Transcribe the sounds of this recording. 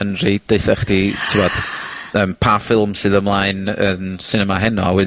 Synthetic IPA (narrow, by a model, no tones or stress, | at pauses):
ənriːd̚d̥eɨθɛχd̥itʰɪwɔd̥ | əːmpʰafɪlˠmsɨðəmlˠaɨnəːnsɪnɛmaɦɛnɔawɛd